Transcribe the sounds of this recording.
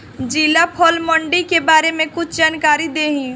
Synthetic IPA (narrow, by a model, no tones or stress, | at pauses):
d͡ʒiːlapʰɔːlmɔ̃ɳɖikebaːɾemẽkʊt͡ʃʰd͡ʒaːnkaːɾid̪eːɦĩː